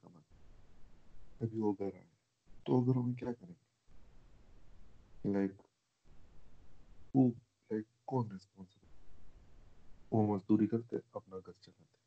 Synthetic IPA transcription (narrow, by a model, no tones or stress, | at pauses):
kɐma | ɐbʱiʋoɡʱɐɾa̰ːẽ | t̪oɐɡəɾɦɐmẽk̬jaːkɐɾẽːɡe | laɪk | xuːb | laɪkːɔːnɪspɔːnsɪbə | ʋomɐzd̪uːɾikɐɾt̪eḛɐpnaɡʱɐɾt͡ʃɐlaːt̪e